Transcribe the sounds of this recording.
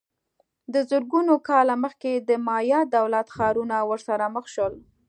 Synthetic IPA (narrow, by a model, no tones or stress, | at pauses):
d̪əzəɾɡunokɑlaməxked̪əmɑjɑd̪awlat̪xɑɾunawəɾsaɾaməxʃəl